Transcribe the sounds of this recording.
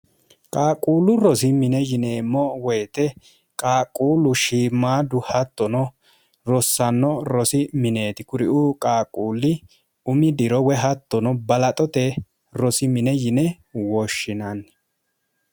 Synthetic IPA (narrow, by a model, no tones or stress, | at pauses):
kʼaːkʼuːlʊɾɔsɪmɪnɛjɪneːmɔwɛjt̪ɛ | kʼaːkʼːuːlʊʃiːmːaːd̪ʊhɐt̪ːɔnɔ | ɾɔsːɐnːɔɾɔsɪmɪne̞ːt̪ɪkʊɾɪ̰ʔukʼaːkʼuːlːɪ | ʊmɪd̪ɪɾɔwɛɦɐt̪ːɔnɔbɐlɐt̪ʼɔt̪ɛ | ɾɔsɪmɪnɛjɪnɛ | wɔʃːɪnɐn